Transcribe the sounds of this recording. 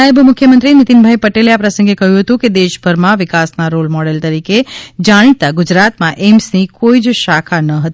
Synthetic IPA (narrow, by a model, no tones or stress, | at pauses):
aəbmʊkʰjəmənt̪ɾinit̪inbʱaipəʈeleapɾəsə̃ŋɡekəɦjũɦət̪ũked̪eʃbʱəɾmãʋɪkasnaɾolmɔɽelt̪əɾiked͡ʒaɽ̃it̪aɡʊd͡ʒɾat̪mãʔemsnikoid͡ʒʃakʰanəɦət̪